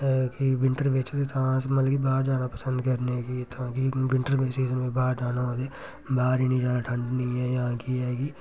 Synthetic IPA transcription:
kiʋɪɳʈəɾbeːsest̪ãːsmət̪lɡibaːɾd͡ʒaːnaːpəsə̃nd̪kəɾnekit̪ãːkiʋɪ̃ɳʈəɾbeːsizbaːɾd͡ʒaːnaːoːd̪eː | baːɾiːnĩːd͡ʒaːnaːʈʰə̃ɳɖnĩːɛːjaãːkiɦɛːɡiː

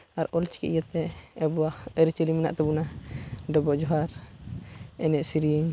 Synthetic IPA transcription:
aɾɔlt͡ʃi̥kḭʔjat̪ɛːbuahəɾit͡ʃəlimina̰ʔt̪abunadɔbɔʔd͡ʒɔɦaɾ | ɛnɛʔsiɾiəɲ

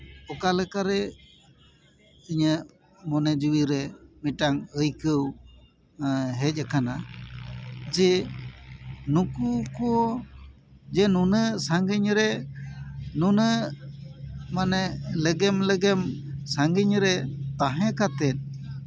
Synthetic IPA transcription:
pɔkalɛkaɾɛ | iɲə | mɔnɛd͡ʒuwiɾɛmiʈaŋəjkəw | ɦɛc̚ˀakana | d͡ʒɛ | nukukɔɔ | d͡ʒɛnunəsaŋɡəɲɾɛ | nunə | manɛləɡɛmləɡɛmsaŋɡəɲɾɛt̪aɦɛ̃kat̪ɛt̪̚

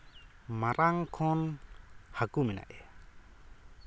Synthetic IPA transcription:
maɾaŋkʰɔn | hakumina̰ʔɛ

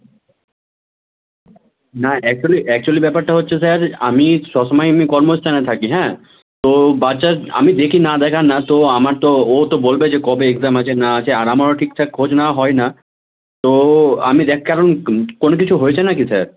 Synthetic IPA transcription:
naɛk̚t͡ʃuəliʔɛk̚t͡ʃuəlibɛpaɾt̪aɦotːt͡ʃʰesəɾa̰misɔsmajmĩkɔɾmost̪anãt̪ʰakiɦɛ̃ | t̪obad̪t͡ʃaa̰mĩd̪ekʰinad̪ɛkʰanat̪oamaɾt̪oot̪obolbed͡ʒekɔbeekzamət͡ʃʰenat͡ʃʰeaɾamɔɾʈʰiksʰɛkʰoːd͡ʒnaɦɔjna | t̪oa̰mĩd̪ekʰkaɾənkonkit͡ʃʰuɦojt͡ʃʰanakisəɾ

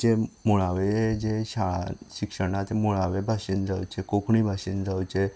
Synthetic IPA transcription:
d͡ʑemoɭaʋed͡ʑeɕaɭa̰ɕikʂəɳat̪emoɭaʋebʱaɕind͡zʱawt͡ɕekokɳibʱaɕiːnd͡zawt͡ɕe

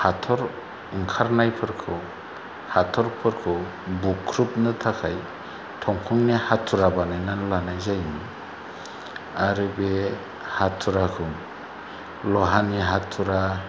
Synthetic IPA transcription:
hatʰɔɾ | ɯŋkʰaɾnajpʰɯɾkʰɯw | hatʰɔɾpʰɯɾkʰɯw | bukʰɾup̚nɯtʰakʰaj | tʰɔŋkʰɔŋnehatʰːuɾabanajnanlanajzajn | aɾɯbe | hatʰːuɾakʰɯŋ | lɔɦaniɦatʰːuɾa

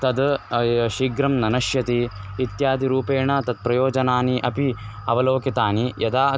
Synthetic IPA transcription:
t̪ɐd̪ʃiːɡɾɐmnɐnɐʃjɐt̪iːt̪jaːd̪ʱiɾuːpeːɳɐt̪ɐd̪̚pɾɐjoːd͡ʒɐnaːniʔɐpi | ɐʋɐloːkit̪aːnijɐd̪aː

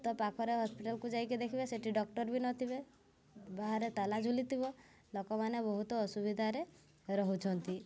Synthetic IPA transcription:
t̪ɔpakʰɔɾeɦɔspiʈalkud͡ʒajkid̪ekʰibeseʈiɖɔk̚ʈɔɾbinɔt̪ʰiβe | baɦaɾet̪alad͡ʒulit̪ʰiβɔ | lɔkɔmanebɔɦut̪ɔːsubid̪ʱaɾe | ɾɔɦut͡ʃʰɔnt̪i

